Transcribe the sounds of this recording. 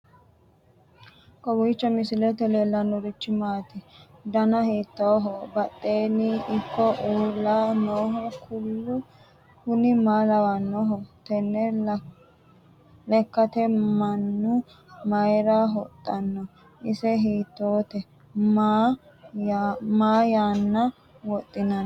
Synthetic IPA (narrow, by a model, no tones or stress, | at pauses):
kɔwiːt͡ʃːɔmɪsɪlɛt̪ɛleːlːɐnːɔɾɪt͡ʃːɪmaːt̪ɪd̪ɐnɐhiːt̪ːoːɦɔbɐt̪ʼːeːniʔɪkːɔʔuːɾlaːnoːɦɔkʰʊlːʊ | kʊnɪmaːlɐwɐnːɔɦɔt̪ɛnːɛ | lɛkːɐt̪ɛmɐnːʊ | mɐjɾaɦɔt̪ʼːɐnːɔ | ʔɪsɛɦiːt̪ːoːt̪ɛ | m | maːjaːnːɐ | wɔt̪ʼːɪnɐn